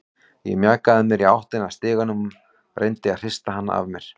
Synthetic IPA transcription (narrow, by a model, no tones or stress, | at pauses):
jɛ̰ɣmjaːkaðɪmjɛɾiawht̪ɪnast̪ɪːɣanʏm | rʔejnt̪ɪaðr̥ɪst̪aɦanːa̰a̰vmjɛɾ̥